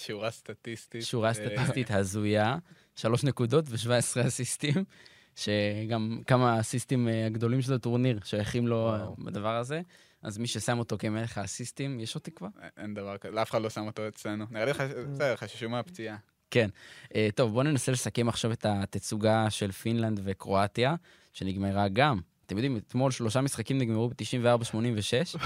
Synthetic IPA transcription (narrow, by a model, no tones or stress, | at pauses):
ʃuʁast̪at̪ist̪iʃuʁast̪at̪ist̪it̪hazuja | ʃalo̞ʃnekud̪o̞tveʃvaesʁeasist̪im | ʃe̞ɡamkamasistimaɡd̪o̞limʃelatuʁniʁʃojaχimlo̞ba̰d̪avaʁaze̞ | ʔa̰zmiʃe̞samo̞t̪o̞kemeleχasist̪imjeʃot̪ikvaʁʔḛnd̪avaʁkaeafeχad̪lo̞samot̪oet͡slenuniʁeliasedeʁχaʃi̥ʃumeapt͡sia | ke̞nʔet̪o̞vbo̞ne̞nase̞le̞sake̞maχʃave̞t̪at̪et͡suɡaʃe̞lfinland̪ve̞kʁo̞at̪ja | ʃe̞niɡmeʁaɡamat̪emjod̪imet̪mo̞lʃlo̞ʃamisχakimniɡmeʁubet̪iʃimveaʁbaʃmo̞nimveʃe̞ʃ